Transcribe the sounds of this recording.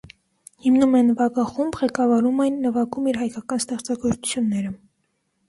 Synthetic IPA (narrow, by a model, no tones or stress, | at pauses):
himnumɛnvɑɡɑχumbʁɛkɑvɑɾumɛjnːəvɑɡumiɾɦɑjkɑkɑnst̪ɛχt͡sɑɡɔɾt͡su̥t͡sʰjunːɛɾə